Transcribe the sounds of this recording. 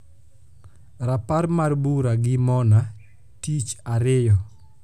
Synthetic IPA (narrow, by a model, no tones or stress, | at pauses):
ɾapaɾmarbuɾaɡɪmɔna | tit͡ʃaɾɪjɔ